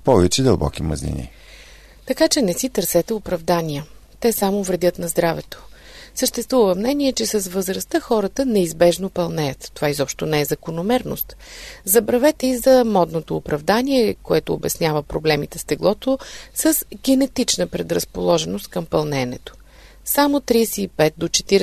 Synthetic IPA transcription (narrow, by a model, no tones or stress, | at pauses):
pɔvɛt͡ʃɛd̪əlˠbɔ̰kimɐ̰znḭnḭ | t̪ɐkat͡ʃɛnɛsit̪əɾsɛt̪ɛʊpɾɐvd̪anijə | t̪ɛsamovɾɛd̪ʲət̪nɐzd̪ɾavɛt̪o̥ | səʃt̪ɛst̪vuvəmnɛniɛt͡ʃɛsɐsvəzɾɐst̪əxɔɾət̪ənɛizbɛʒnopɐlˠnɛjət̪ːovaizɔpʃt̪onɛɛzɐkonomɛɾno̰st̪ | zɐbɾɐvɛt̪ɛizɐmɔd̪not̪oːpɾɐvd̪aniɛkoɛt̪oːbɛsnʲjavəpɾoblɛmit̪ɛst̪ɛɡlˠɔt̪osəzɡʲɛnɛt̪it͡ʃnəpɾɛd̪ɾəspolˠɔʒɛnost̪̚kɐmpɐlˠnɛnɛt̪o̥ | samot̪ɾisɛipɛt̪̚d̪ot͡ʃɛ̥t̪iɾ